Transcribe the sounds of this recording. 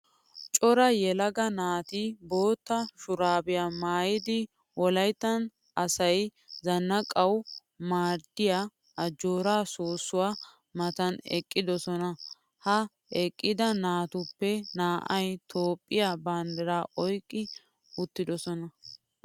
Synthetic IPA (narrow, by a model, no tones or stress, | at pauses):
t͡ʃʼɔɾɐjɛlɐɡɐnaːt̪ibo̞ːt̪ːɐʃʊɾaːbɪjaːmaːjɪd̪ɪ | wɔlɐjt̪ːɐn | ʔɐsɐjzɐnːɐkʼɐw | maːɾd̪ɪjaː | ʔɐd͡ʒoːɾaːsoːsːʊwaː | mɐt̪ɐnɛ̰kʼːɪd̪ɔsɔnɐ | hɐ | ɛkʼːɪd̪ɐnaːt̪ʊpːɛnaːʔɐjt̪ʰo̞ːpʼːɪjaband̪ɛɾaːʔɔjkʼːɪ | ʊt̪ːɪd̪ɔsɔnɐ